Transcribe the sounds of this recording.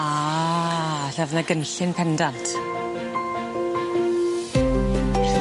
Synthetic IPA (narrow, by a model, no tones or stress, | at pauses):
a | ɬavnaɡənɬɪnpʰɛndantʰ